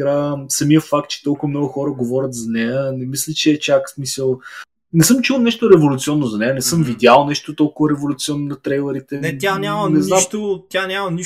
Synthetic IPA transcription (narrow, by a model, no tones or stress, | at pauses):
ɾasɐmiəfak̚t̪̚t͡ʃɛ̥t̪ɔlˠkʊvəmnɔɡʊxɔɾəɡovɔɾʲət̪zɐnɛjənɛmislʲit͡ʃɛːt͡ʃaksmisəlˠ | nɛsɤmt͡ʃulˠnɛʃt̪oɾɛvolʲut̪siɔnːozɐnɛjənɛsɤmvid̪ʲjalˠnɛʃt̪ot̪ɔlˠkʊvɐɾɛvolʲʊt̪siɔnːonɐt̪ɾɛjlˠəɾit̪ɛnjanʲamɐnɛzamt̪ʊt̪ʲjanʲamɐniʃ